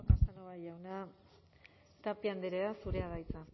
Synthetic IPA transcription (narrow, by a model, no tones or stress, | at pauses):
kast̪anoβaʝawna | t̪apiand̪eɾeasuɾeaðajt͡sa